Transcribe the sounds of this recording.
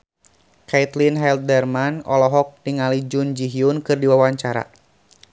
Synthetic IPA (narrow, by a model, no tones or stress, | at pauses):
kat̪linɦɛlt̪̚dɛrmanɔlɔɦɔk̚diŋalid͡ʒund͡ʒiɦiunkɨrdiwawaɲt͡ʃaɾa̰